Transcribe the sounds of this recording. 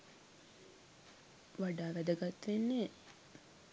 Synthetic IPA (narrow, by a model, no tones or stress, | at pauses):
ʋaɖaːʋæd̪əɡat̪ːʋenːe